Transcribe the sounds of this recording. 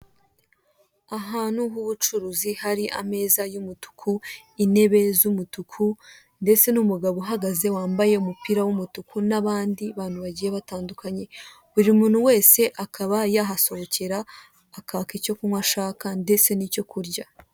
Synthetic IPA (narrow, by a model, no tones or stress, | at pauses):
aɦaːnuɦuβut͡ʃuɾuzihaɾiʔa̰me̞ːzajumutu̥kʰuine̞βe̞zumutukʰu | nde̞t͡se̞numuɡaβoɦaɡaze̞waːmbaje̞umupiɾawumutukʰunaβaːndiβaːn̥huβaɟiːje̞βataːndukʰaɲe̞ | βuɾimuːn̥huwe̞ːse̞ʔakʰaβajaɦaso̞hoce̞ɾaː | kaːkico̞kumŋwaʃaːkande̞t͡sse̞nico̞kuɾɟa